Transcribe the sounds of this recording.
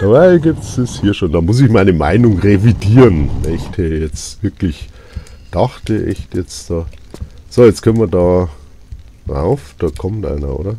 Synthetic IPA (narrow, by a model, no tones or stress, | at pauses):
d̥abaɪɡiːp̚tsɛshiːɐʃoːndaːmʊs̬ɪçmaɪnəma̰ɪnʊŋʁevidiːʁənvɛ̰ɪçtʰiːɐjɛt͡sv̥ɪɐklɪç | d̥ɑχtəʔɛ̰çtjɛt͡sd̥ɑːz̥oːjɛt͡skʰœnmiɐdɑː | ʁa̰ʊfd̥ɑːkʰɔmtʔa̰ɪnɐ̰ʔo̰ːdɐ